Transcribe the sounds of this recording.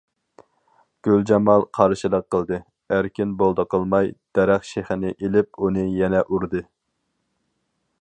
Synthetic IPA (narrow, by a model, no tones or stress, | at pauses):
ɡ̥ʲøld͡ʒɑmɑlˠqʰɑɾʃilˠəq̚qːəlˠd̪ɨ | æɾkʲinbolˠd̪əqʰəlˠmɑjd̪̥ɛɾæχʃeχɪnɪʔelɪp̚unɨjɛnɛʔuɾd̪ɨ